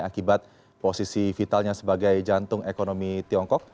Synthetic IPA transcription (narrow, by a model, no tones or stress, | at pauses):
akibat̪̚ | posisifit̪alɲasəbaɡajd͡ʒant̪ʊŋekonomit̪iɔŋkɔk̚